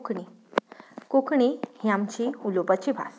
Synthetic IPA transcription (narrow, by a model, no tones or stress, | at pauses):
kɳi | kokʰɳihiãmt͡ɕiulopat͡ɕibʱa̰s